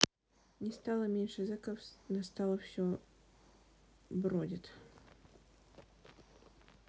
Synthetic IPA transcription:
nʲɪst̪alˠəmʲenʲʂɨzɨkəfnɐst̪alˠəfsʲo | bɾodʲɪt̪

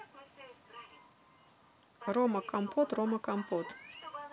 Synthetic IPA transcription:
romɐkampʰot̪romɐkampot̪

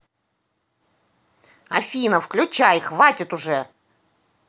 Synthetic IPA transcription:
ɐfʲinəfklʲʉt͡ɕajxvatʲɪt̪ʊʐɛ

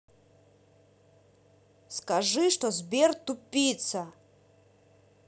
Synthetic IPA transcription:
skaʐɨʂt̪ɔzbʲert̪upʲːit̪sɐ

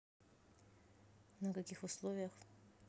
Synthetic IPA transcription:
nəkɐkʲixʊslˠovʲɪjəx

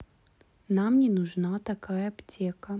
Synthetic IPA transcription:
namnʲɛnuʐnat̪akajɐːpt͡sʲɛkɐ

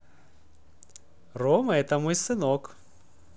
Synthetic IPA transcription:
rɔmɐɛt̪ɐmɔjsɨnɔk

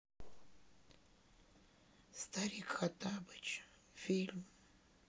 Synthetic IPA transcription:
st̪aɾʲikxat̪abɨt͡ʃ | fʲilʲm

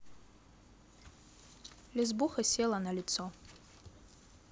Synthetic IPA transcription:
lʲizbuxaselanalʲɪt͡sʰo

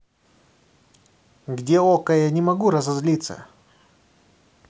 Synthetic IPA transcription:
ɡdʲeokəjanʲɪmɐɡuɾɐzɐzlʲit̪sə̰

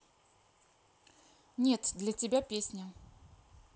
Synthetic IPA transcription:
nʲe̞t̪d̪lʲətʲɪbʲapʲesʲnʲə

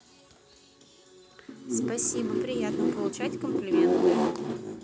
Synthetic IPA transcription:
spɐsʲibɐpɾʲɪjat̪nɔpɔlˠʊt͡ʃatʲkɔmplʲɪmʲɛnt̪ɛ

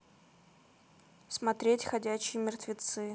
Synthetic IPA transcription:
smɐt̪ɾʲetʲxɐdʲæɕɪjəmʲɪrt̪vʲɪt̪sɨ

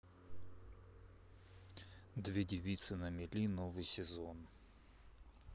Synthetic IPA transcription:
d̪vʲedʲɪʋʲit̪sɨnɐmʲɪlʲinovɨjsʲɪzon

